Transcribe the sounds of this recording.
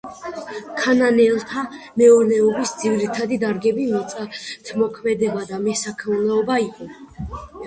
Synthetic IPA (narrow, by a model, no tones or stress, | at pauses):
kʰananɛlˠt̪ʰa | mɛɔɾnɛɔbisd̪zivɾit̪ʰad̪id̪aɾɡɛbimɔt̪sʼat̪ʰmɔkʰmɛd̪ɛbad̪amɛsakʰmulɛɔbaiqʼɔ